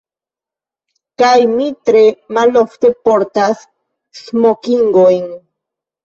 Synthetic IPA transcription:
kajmit̪ɾe̞malo̞fte̞po̞ɾtasː | mokiŋɡojn

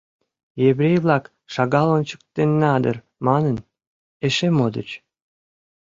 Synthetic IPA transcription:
jeβɾʲejβlˠɑk | ʃɑɣɑlont͡ɕə̥k̚t̪enːɑd̪ər | mɑnən | eʃemod̪ət͡ɕ

